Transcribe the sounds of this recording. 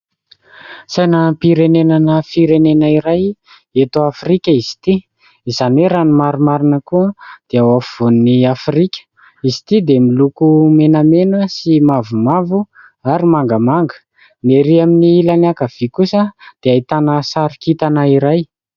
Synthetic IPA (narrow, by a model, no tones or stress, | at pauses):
sajnapiɾenenanəfiɾenenəiɾaj | et̪oafrikʲəizi̥t̪i | izanweɾanimaɾumaɾinəkuəd̪̥eawafiv̥onniafrikʲə̥ | izit̪id̪emilukumenəmenəsimavumavu | aɾimaŋɡəmaŋɡə̥ | neɾiaminiilanakəv̥ikusəd̪̥eait̪anəsaɾikit̪anəiɾaj